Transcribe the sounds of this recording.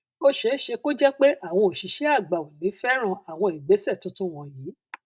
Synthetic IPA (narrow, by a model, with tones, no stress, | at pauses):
o˧ʃe˨˦ʃe˧ko˦d͡ʒɛ˦k͡pe˦ʔa˦˨w̃ɔ̃˧o˨ʃi˨˦ʃɛ˦a˦˨ɡ͡ba˨ũ˨nĩ˨˦fɛ˦ɾ̃ã˦˨a˨w̃ɔ̃˧i˨ɡ͡be˨˦sɛ˦˨tũ˦tũ˦w̃ɔ̃˧jiː˨˦